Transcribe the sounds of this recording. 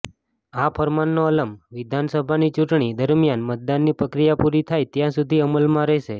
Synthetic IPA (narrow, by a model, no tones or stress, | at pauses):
apʰəɾmanːoələmʋid̪ʱansəbʱanit͡ʃuʈɳid̪əɾmjanmət̪̚d̪anːipɾəkɾijapuɾit̪ʰajt̪jãsud̪ʱiəməlmãɾəɦʃe